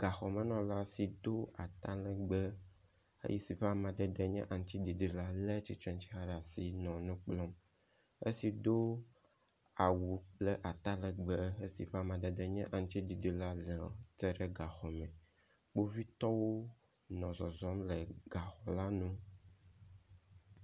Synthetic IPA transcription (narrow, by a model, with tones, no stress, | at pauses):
ɡ̥a˨xɔ˨mɛ̃˨nɔ̃˨la˦si˨d̪o˦a˨t̪a˦lɛ˨ɡ͡bɛ˦ | ḛ˦ji˦si˨ɸe˦a˨mã˨d̪ɛ˨d̪ɛ˦ɲɛ̰̃˦ʔa˨ŋ˦t̪i˦di˨di˨la˦lɛ˦t͡ɕi˦t͡ʃɛ̃˦nt͡ɕi˦a˦ɖa˨si˦nɔ̃˨nũ˦k͡plɔ˦m | ḛ˦si˨d̪o˦ | a˨wu˨le˦ʔa˨t̪a˦lɛ˨ɡ͡be˦e˦si˨ɸe˦a˨mã˨d̪ɛ˨d̪ɛ˨ɲɛ̃˦ʔa˨ŋ˦t̪i˦di˨di˨la˦lɛ˨t̪ɛ˦ɖɛ˦ɡa˨xɔ˨mɛ̃˨ | k͡po˦vi˦t̪ɔ˦wo˦ | nɔ̃˨zɔ˨zɔ˦mlɛ˨ɡ̥a˨xɔ˨la˦nũ˦